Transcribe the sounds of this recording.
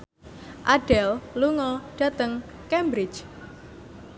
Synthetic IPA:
ʔaɖ̥ɛlluŋɔɖ̥ä̤t̪əŋ | kɛmbɾɪ̥t͡ʃ

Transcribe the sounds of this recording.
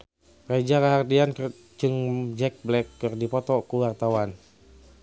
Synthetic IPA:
prad͡ʒakaɦardiank | d͡ʒɨŋd͡ʒɛk̚blɛkːɨrdipɔt̪ɔkuwart̪awan

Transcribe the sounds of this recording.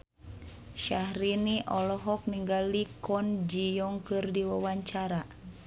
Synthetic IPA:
ʃahɾiniʔɔlɔɦɔk̚niŋɡalikɔnd͡ʒijɔŋkɨrdiwawaɲt͡ʃaɾa

